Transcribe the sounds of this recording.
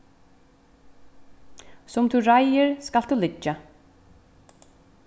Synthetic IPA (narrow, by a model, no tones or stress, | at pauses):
sʊmt̪ʰuɾajɪɹskalt̪ulɪt͡ʃːa